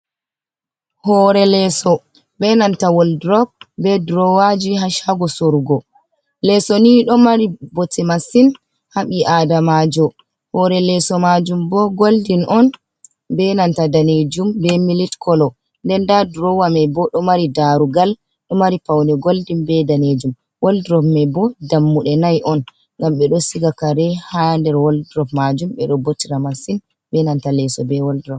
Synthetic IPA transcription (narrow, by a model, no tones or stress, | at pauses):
hɔɾɛlɛsɔ | bɛnantawɔldɾɔb̚bɛdɾɔwad͡ʒiɦaʃaɡɔsoɾɡɔ | lɛsɔniɗɔmaɾibɔtɛmasin | haɓiʔadamad͡ʒɔ | hɔɾɛlɛsɔmad͡ʒumbɔɡoldinʔɔn | bɛnantadaned͡ʒumbɛmilitkɔlɔ | ndɛndadɾɔwamɛbɔɗɔmaɾidaɾuɡal | ɗɔmaɾipawnɛɡoldimbɛdaned͡ʒum | woldɾɔfmɛbɔdamːuɗɛnajʔɔn | ŋɡamɓɛɗɔsiɡakaɾɛhandɛɾwoldɾɔfmad͡ʒumɓɛ̰ɗɔbotiɾamasin | bɛnantalɛsɔbɛwɔldɾɔf